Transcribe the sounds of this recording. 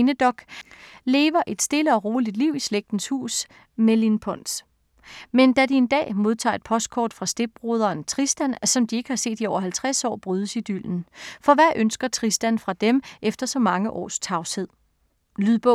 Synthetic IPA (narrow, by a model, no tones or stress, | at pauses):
nəd̥ɒ̽ɡ̥le̝ːʋɐʔe̝d̥sd̥e̝ləɒ̽ʁo̝ːlid̥liʊ̰isleɡ̥̚d̥n̩shṵːs | melinpʰɒn̰s | mend̥æd̥ie̝nd̥ɛ̰ːmo̝ð̞ˠt͡sʰɑ̰̈ːe̝d̥̚pʰɒ̽sd̥̚kʰɒ̰ːd̥fʁɑ̈sd̥e̝b̥̚ʁoð̞ˠɐːnt͡sʰʁisd̥æn̰sɒ̽md̥ie̝ɡ̥əhɑ̈se̝̰ːd̥iɒʊ̰ɐɦælt͡sʰʁasɒ̰ːb̥ʁyːð̞ˠəsid̥y̰l̰n̩fɒ̽ʋæʔønsɡ̥ɐt͡sʰʁisd̥ænfʁɑ̈d̥emʔefd̥ɐsɒ̽mɑ̈ŋəʔɒ̰ːst͡sʰɑ̈ʊshe̝ð̞̰ˠ | lyðˠb̥ɔ